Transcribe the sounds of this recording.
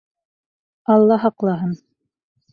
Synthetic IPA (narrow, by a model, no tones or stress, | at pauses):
ɑlˠːɑɦɑqlˠɑɦɤn